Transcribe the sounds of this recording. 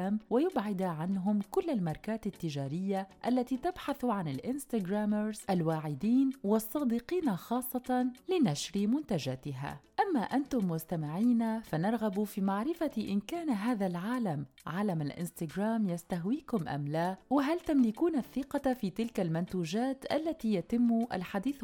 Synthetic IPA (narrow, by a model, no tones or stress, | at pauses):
amwajʊbʕɪd̪ʕanɦʊmkʊlːalmɑɾˤkaːt̪at̪ːɪd͡ʒaːɾɪjːaʔalːat̪iːt̪abħaθʕanɪlʔɪnst̪aɡɾaːmɾzʔalwaːʕɪd̪iːnwɑsˤːɑːd̪iqiːnaxɑːsˤːɑt̪ɑlɪnaʃɾimʊnt̪ad͡ʒaːt̪ɪɦa̰ːʔamːaʔant̪ʊmːʊst̪amɪʕiːnafanɑɾˤɣabufiːmaʕɾɪfaʔɪnkaːnaɦaːðalʕaːlamʕaːlamalʔɪ̰nst̪aɡɾˤaːmjast̪aɦwiːkʊmʔa̰mlaːwɪɦalt̪amlɪkuːnaθːɪqɑfiːt̪ɪlkalmʊnt̪uːd͡ʒaːt̪ʔalːat̪iːjat̪ɪmːʊʔa̰lħad̪iːθ